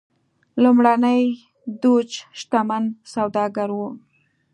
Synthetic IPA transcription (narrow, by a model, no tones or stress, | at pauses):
lumɽanəj | d̪ot͡ʃʃt̪amansawd̪ɑɡaɾwo